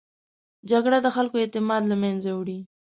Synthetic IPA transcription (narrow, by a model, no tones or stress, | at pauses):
d͡ʒaɡɽad̪əxalkoet̪ɪmɑd̪lamanzawɽi